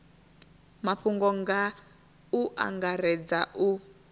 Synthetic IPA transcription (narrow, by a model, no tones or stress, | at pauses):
maɸuŋɡɔŋɡa | uʔa̰ŋɡaɾɛd͡zaʔu